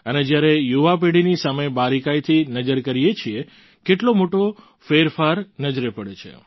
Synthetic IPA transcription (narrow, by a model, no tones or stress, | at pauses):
əned͡ʒjaɾejuʋap̬eɽinisamebaɾikajt̪ʰinəd͡ʒəɾkəɾijet͡ʃʰie | keʈlomoʈo | feɾfaɾnəd͡ʒɾepəɽet͡ʃʰḛ